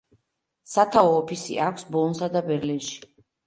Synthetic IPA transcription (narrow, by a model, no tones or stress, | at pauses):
sat̪ʰaɔːpʰisḭʔakʷʰsbɔnsad̪abɛɾlinʃi̥